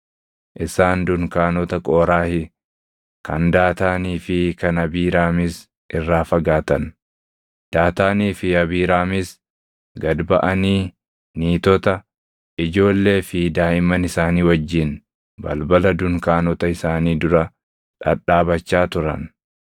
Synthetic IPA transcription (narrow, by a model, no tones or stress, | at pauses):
ʔɪsaːnd̪ʊŋkaːnɔt̪ɐkʼoːɾaːhɪ | kɐ̰nd̪aːt̪aːniːfɪkɐnɐbiːɾaːmɪs | ʔɪrːaːfɐɡaːt̪ɐn | d̪̥aːt̪aːniːfɪɐbiːɾaːmɪs | ɡɐd̪bɐʔɐniː | niːt̪ɔt̪ɐ | ɪd͡ʒo̞ːlːe̞ːfɪd̪aːɪmɐnɪsaːniːwɐd͡ʒːɪn | bɐ̰lbɐlɐd̪ʊŋkaːnɔt̪ɐɪsaːniːd̪ʊɾɐ | ᶑɐ̰ᶑaːbɐt͡ʃːaːt̪ʊɾɐ̰n